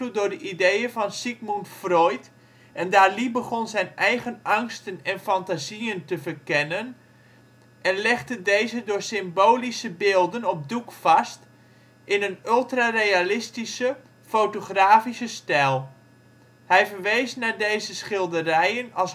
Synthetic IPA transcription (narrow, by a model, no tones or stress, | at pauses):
tudʊɹdəʔidejəvɑnsikmuntfrɔjt | ʔɛndaːɹlibəχɔnzɛjnʔɛjχənʔɑŋstənɛnfantaziəntəvəɹkɛnən | ʔɛnlɛχdədejzədʊːɹsɪmboːlisəbɪːlˠdənɔp̚dukfɑst | ʔɪnənølˠtrarejalɪstisə | fowtoχraːfisəstɛlˠ | hɛjvərʋejsnadejzəsχɪlˠdərɛjənɑlˠs